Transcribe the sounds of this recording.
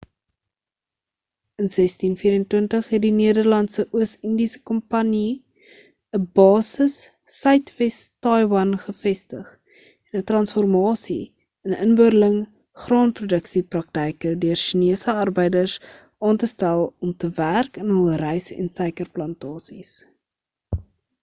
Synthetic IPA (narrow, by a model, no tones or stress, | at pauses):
ənsɛstinfiːɾəntwəntəχɦɛt̚diniədərlɐntsəʔuəsəndisə̥kɔmpɐni | əbɑːsəsː | œɥtvɛstɑjwɐnχəfɛstəχ | ɛnətrɐnsfɔrmɑːsi | ənənbøɾələŋ | χrɑːnprudəksiprɐk̚təjkədøərʃiniəsəɐrbəjdərs | ʔɑːntəstælˠɔmtəværkənɦəlˠrɛjsɛ̰nsɛjkərplɐntɑːsis